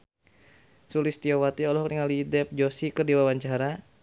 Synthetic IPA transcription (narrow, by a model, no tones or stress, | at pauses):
sulist̪iowat̪iɔlɔhk̚niŋalidɛp̚d͡ʒosikərdiwawaɲt͡ʃaɾa